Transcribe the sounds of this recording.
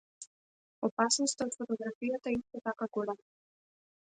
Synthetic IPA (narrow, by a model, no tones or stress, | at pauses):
opasnost̪aot̪fot̪oɡɾafijat̪aist̪ɛt̪akaɡɔlɛm